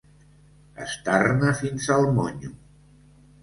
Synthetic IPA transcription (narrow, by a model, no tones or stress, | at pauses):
ə̰st̪arnəfinzəlˠmoɲu